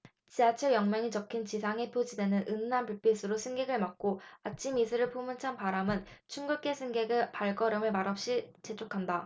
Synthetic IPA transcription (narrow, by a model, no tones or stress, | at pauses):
t͡ɕiat͡ɕʰʌjʌŋmjʌŋit͡ɕʌkʰint͡ɕisʰaŋe̞pʰod͡ʑide̞nɯnʔɯnːanpuɭp͈ʰis͈ʰɯɾosʰɯŋɡe̞ɡɯɭmak̚k͈oat͡ɕʰimisʰɯɾɯɭpʰomɯnt͡ɕʰanpaɾamɯnt͡ɕʰunɡuk͈e̞sʰɯŋɡeɡɯpaɭɡʌɾɯmɯɭmaɾʌp̚ɕ͈it͡ɕet͡ɕʰokʰanda